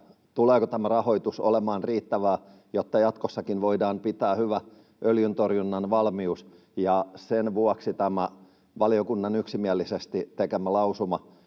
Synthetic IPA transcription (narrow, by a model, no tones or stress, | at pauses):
t̪uleːkot̪æmærɑhoit̪uso̰lemɑːnriːt̪ːæʋæː | jot̪ːɑjɑt̪kosːɑkinʋoidɑːmpit̪æːhyʋæ | ʔøljynt̪orjunːɑnʋɑlmius | jɑsenʋuɑksit̪æmæ | ʋɑlijokunːɑnyksimiælːisest̪it̪ekemːˑælɑusumɑ